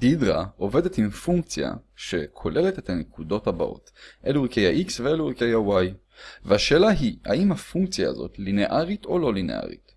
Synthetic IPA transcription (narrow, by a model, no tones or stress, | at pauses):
d̥idʁao̞ve̞de̞timfuŋk̚t͡sja̰ʃe̞kʰo̞lʔe̞letet̪hanekudo̞thaba̰ʔo̞̰tʔeluʁikejaʔiksveeluʁikejhawaj | vehaʃeːlaɦiha̰imhafuŋkt͡sja̰ːzo̞̰tlineʔaʁito̞lo̞linea̰ʁḭt